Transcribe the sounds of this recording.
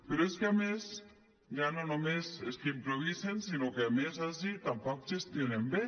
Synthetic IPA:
peɾoeskeames | d͡ʒanonomeseskeimpɾoβisensinokeamesas̬it̪ampak̚t͡ʃest̪ienembe

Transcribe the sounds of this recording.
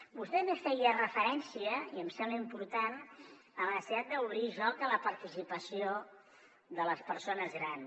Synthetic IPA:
bust̪ɛmefɛjərəfəɾɛnsiəiəmsɛmbləimpuɾt̪an | əməəsiat̪̚d̪əuβɾiʒɔkələpəɾt̪isipəsio | ðələspəɾsonəzɣɾan

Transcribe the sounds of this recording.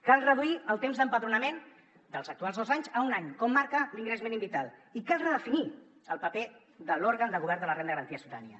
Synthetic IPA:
kalˠrəðuiəlˠt̪emzðəmpəðɾunəmen | d̪əlˠzək̚t̪ualˠðozaɲzəunaɲkɔmːaɾkəliŋɡɾəzmẽnimbit̪alˠikalˠrəðəfini | əlˠpəpe | d̪əlɔɾɣənd̪əɣuβɛɾnd̪ələrend̪əɣəɾənt̪iəsut̪anḭə̰

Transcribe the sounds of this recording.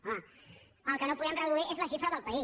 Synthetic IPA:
ã | əlˠkənopuðɛmrəðuiezlɐʃifɾəðəlˠpɐis

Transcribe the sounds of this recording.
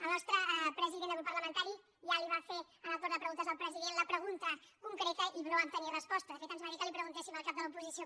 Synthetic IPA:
əlˠnɔst̪ɾəpɾəziðenəɣɾupəɾləmənt̪aɾi | ʒaliβafe | ələlt̪oɾðəpɾəɣunt̪əzðəlˠpɾəziðenləpɾəɣunt̪əkuŋkɾet̪əʔiβnoəp̚t̪əniərəspɔst̪əðəfet̪ənzmaɾik̪əlipɾəɣunt̪esiməlˠkap̚d̪əlupuzisio

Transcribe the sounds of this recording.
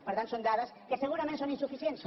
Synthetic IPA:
pəɾt̪antsond̪aðəskəsəɣ̞uɾɐmẽnsoninsufisiens

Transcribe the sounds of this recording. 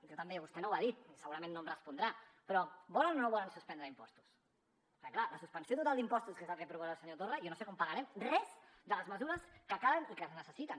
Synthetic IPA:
ʒot̪əmbeβust̪ɛnowaðit̪̚səɣuɾɐmẽnːomrəspund̪ɾapɾɔβɔlənonoβɔlənsuspɛnd̪ɾəimpɔst̪u̥s | klaləsuspənsiot̪ut̪alˠd̪impɔst̪uskezafepɾuβaɾaəlˠsəɲot̪orəjonosekɔmpəɣəɾɛmrɛzd̪ələzməzuɾəskəkaβənikəznəsəsit̪ən

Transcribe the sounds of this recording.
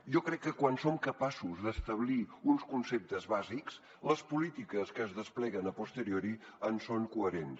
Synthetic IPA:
ʒɔkɾɛkːəkwansomkəpasuzðəst̪əβliunskunsep̚t̪əzβaziks | ləspulit̪ikəskəːzðəsplɛɣənəpust̪əɾioɾiənsoŋkuəɾens

